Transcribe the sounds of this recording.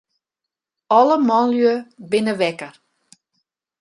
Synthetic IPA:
ɔləmɔnljøbɪnəʋɛkər

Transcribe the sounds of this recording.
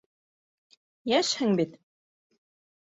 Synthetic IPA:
jæʃhɘŋbit̪

